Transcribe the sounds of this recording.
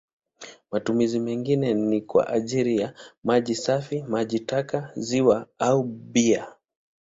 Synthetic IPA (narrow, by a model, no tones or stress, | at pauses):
matumizimɛŋɡinɛnikwa̰ʔaʄiɾijamaʄisafimaʄitakaziwaauɓia